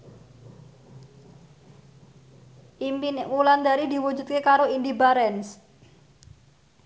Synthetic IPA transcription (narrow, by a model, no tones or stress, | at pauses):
ʔiminwuland̪aɾid̪i̤wu̥d͡ʒṳt̪̚kekaɾoind̪ibaɾɛns